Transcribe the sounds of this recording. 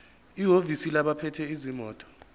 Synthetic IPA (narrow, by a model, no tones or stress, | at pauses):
iɦovisilaɓapʰɛtʰɛizimɔːtʼɔ̥